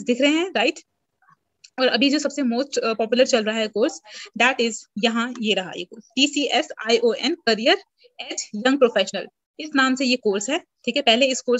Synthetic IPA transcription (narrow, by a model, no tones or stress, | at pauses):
d̪ɪkʰɾɐɦeɦɛ̃ɾaɪʈ | ɔːɾɐ̰bʱid͡ʒoːsɐbsemoːsʈpɔːpjʊləɾt͡ʃɐlɾɐɦaɦɛkoːɾsd̪æːʈɪzjɐɦãjeɾɐɦa̰jḛkoːɾsʈiːsiːʔɛsaːiʔoːʔɛnkɐɾijəɾ | ɛːʈjɐ̃ŋɡ̚pɾoːfɛːʃənəl | ɪsnaːmsejekoːɾsɦɛːʈʰiːkɛpɛɦleɪskoːɾ